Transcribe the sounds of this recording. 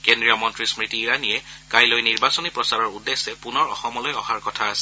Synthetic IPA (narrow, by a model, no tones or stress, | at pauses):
kendɹijɔmɔntɹismɹitiːɹanijɛkajlojniɹbasɔnipɹɔsaɹɔɹudesɛpunɔɹɔxɔmɔlojɔxaɹkɔtʰaːsɛ